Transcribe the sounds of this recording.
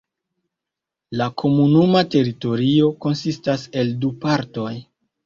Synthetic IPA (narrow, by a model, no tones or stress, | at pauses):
lakʰo̞munumate̞ɾito̞ɾio̞ko̞nsistase̞ldupaɾto̞j